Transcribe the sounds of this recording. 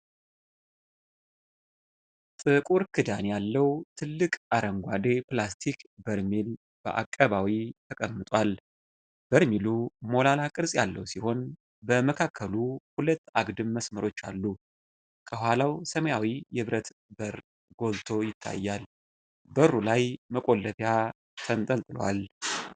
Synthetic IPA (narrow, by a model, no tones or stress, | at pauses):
t̪ʼɨkʼuɾkʰɨd̪anjalːəwt̪ʰɨlːɨkʼaɾəŋɡʷad̪eplast̪ʰikbəɾmil | b̥ə̰ʔa̰kʼːəβawit̪ʰəkʼəmːɨt̪ʼwal | b̥əɾmilumo̞lalakʼɨɾsʼjalːə̰wsiho̞n | bəməkʰakʰːəluhulət̪ːaɡd̪ɨmːəsməɾo̞t͡ʃːa̰lːu | kʰəhʷwalawsəmjawijɛβɾət̪ | bəɾ | ɡ̥o̞lt̪ʰo̞jɪt̪ʰːa̰jːal | bəɾːulajməkʼo̞lːəfja | t̪ʰənt̪ʼəlt̪ʼɨl̰wa̰l